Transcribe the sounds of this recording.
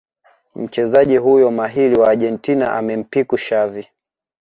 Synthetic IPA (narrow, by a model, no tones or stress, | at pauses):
m̩t͡ʃɛzaʄiɦujɔmaɦiliwaːʄɛntina̰ʔa̰mɛm̩pikuʃavi